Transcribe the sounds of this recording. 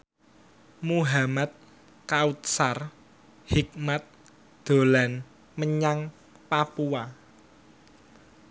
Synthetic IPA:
muɦamat̪̚ | kaut̪̚sar | hik̚mat̪̚ | d̪̥o̤lan | məɲaŋ | papua

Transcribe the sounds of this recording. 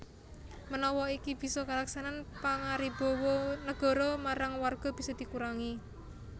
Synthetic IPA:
mənɔwɔikib̥i̤sɔkalaksananpaŋaɾib̥ɔ̤wɔnəɡ̥ɔ̤ɾɔmaɾaŋwarɡ̥ɔ̤b̥i̤sɔd̪̥i̤kuɾaŋi

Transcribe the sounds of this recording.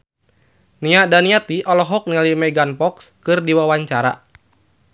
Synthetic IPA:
niadaniat̪iʔɔlɔɦɔk̚nialimɛɡanpɔkskɨrdiwawaɲt͡ʃaɾa̰

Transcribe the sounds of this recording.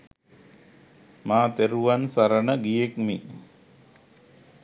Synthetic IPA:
maːt̪eɾuʋansaɾənəɡijekmi

